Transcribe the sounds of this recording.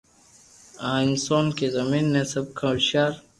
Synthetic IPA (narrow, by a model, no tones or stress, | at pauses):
ãːinsoːnkezɐmiːnːẽsɐb̚kʰɐ̃lɕaːɾ